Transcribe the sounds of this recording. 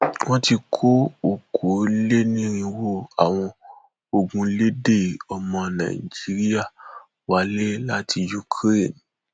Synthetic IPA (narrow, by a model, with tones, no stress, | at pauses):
w̃ɔ̃˦ti˧kʰo˦o˨kʰo˨˦le˦nĩ˦ɾ̃ĩ˧wo˦˨a˨w̃ɔ̃˧ | o˧ɡũ˧le˦de˦˨ɔ˧mɔ̃˧nã̰˨i˨d͡ʒi˨˦ɾi˦ja˦˨ | wa˨˦le˦la˦ti˧ju˦kʰɾe˦˨n